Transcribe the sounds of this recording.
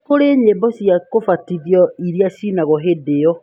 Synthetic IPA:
koɾeɲebɔsjakofatiðjɔiɾiasinaɣɔɦedeɔ

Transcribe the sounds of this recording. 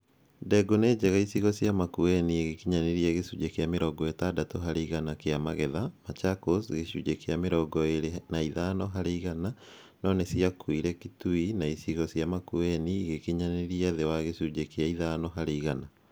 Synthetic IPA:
dɛɡoneːd͡ʑɛɣaisiɣɔsjamakuɛnieɣekiɲaneɾiaɣesud͡ʒekeameɾɔɡɔetadatoɦaɾeiɣanakeamaɣɛðamat͡ʃakosɣeʃud͡ʑekeameɾɔɡɔeɾnaiðanɔɦaɾeiɣana | nɔnesiakwiɾɛkituinaisiɣɔsjamakuɛniɣekiɲaneɾiaðewaɣesud͡ʒekeaiðanɔɦaɾeiɣana

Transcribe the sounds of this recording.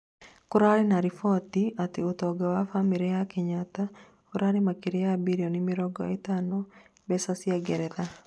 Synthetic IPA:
koɾaɾenaɾifɔtiateotɔɡawafamiɾijakeɲata | oɾaɾemakiɾejabiɾiɔnimɪɾɔɡɔ̰etanɔ | bɛsasiaɡɛɾɛða

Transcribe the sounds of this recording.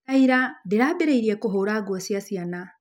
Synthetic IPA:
aiɾadeɾaːbeɾeiɾiɛkoɦoːɾaːɡwɔsiasiana

